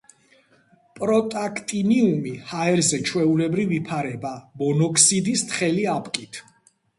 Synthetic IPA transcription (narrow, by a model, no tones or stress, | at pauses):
pʼɾɔt̪ʼakʰt̪ʼiniumihaɛɾzɛt͡ʃʰwɛulɛbɾivipʰaɾɛbamɔnɔkʰʼsid̪ist̪ʰχɛliapʼkʼit̪ʰ